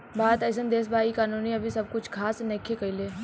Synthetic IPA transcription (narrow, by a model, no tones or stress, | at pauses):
baːd̪ɐsənd̪eːs̬bʱaːikaːnuːniɐbʱisɐb̚kʊt͡ʃʰkʰaːsnɛkʰːekɐileː